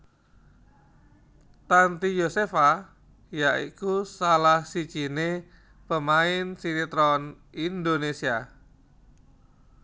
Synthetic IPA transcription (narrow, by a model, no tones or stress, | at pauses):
t̪ant̪ijosefa | jaʔḭkusalahsit͡ʃine | pəmaɪnsinit̪ɾɔn | ind̪onesia